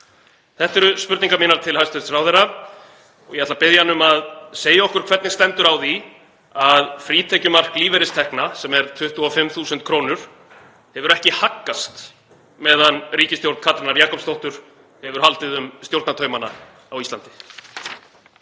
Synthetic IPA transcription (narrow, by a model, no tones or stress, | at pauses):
θɛht̪ɛɾʏspʏɾt̪niŋkamɪːnaɾt̪ʰɪlhajst̪ɛsɾawðɛɾa | ɔ̰jiɛhat̪lapɪðjanʏmaðseːjaɔhkʏɾ̥kʰvɛɾt̪nɪst̪ɛnt̪ʏɾawði | aðfɾiːt̪ʰɛcʏmar̥kliːvɛɾɪst̪ʰɛhknasɛmɛɾ̥t̪ʰʏht̪uafɪmːθuːsʏnt̪̚kʰɾoːwnʏɾ̥ | hɛvʏɾɛhcɪhakːast̪ | mɛːðanriːcɪst̪jowɾt̪kʰat̪ɾɪnaɾjaːkɔpst̪owht̪ʏɾ̥ | hɛvʏɾ̥halt̪ɪðʏmst̪jowɾt̪nat̪ʰœːɥmana̰ | awist̪lant̪ɪ̥